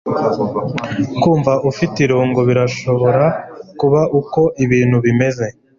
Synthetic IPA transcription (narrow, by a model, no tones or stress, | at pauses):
kuːɱvaʔufitiɾuːŋɡoβiɾaʃo̞βo̞ɾakuβaʔuko̞ʔiβiːn̥huβime̞ze̞